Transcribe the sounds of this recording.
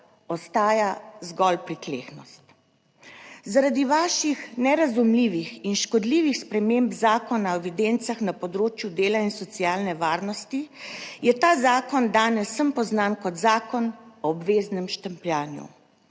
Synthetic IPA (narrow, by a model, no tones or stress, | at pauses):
ɔst̪aːjazɡɔlpɾit̪leːxnɔst̪ | zaɾad̪iʋaːʃixnɛɾazumliːʋixinʃkɔd̪liːʋixspɾɛmembzaːkɔnaɔɛʋid̪ent̪saxnapɔd̪ɾoːt͡ʃjud̪eːlainsɔt̪siaːlnɛʋaːɾnɔst̪ijɛt̪aːzaːkɔnd̪aːnɛsːəmpɔznankɔt̪zaːkɔnɔːbʋeːznɛmʃt̪əmplʲjaːnjṵ